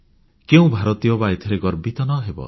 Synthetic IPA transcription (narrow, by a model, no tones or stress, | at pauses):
keũbʱaɾɔt̪ijɔbait̪ʰɔɾeɡɔɾbit̪ɔnɔɦebɔ̰